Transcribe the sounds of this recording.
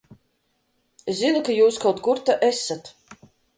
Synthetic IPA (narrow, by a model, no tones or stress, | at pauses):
zʲinukajuːskawt̪ɡuɾt̪aʔɛsːat̪